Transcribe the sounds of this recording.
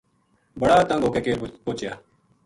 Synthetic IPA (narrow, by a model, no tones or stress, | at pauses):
bəɽaːt̪ə̃ŋɡoːkeːkeːɾpoːt͡ʃjaː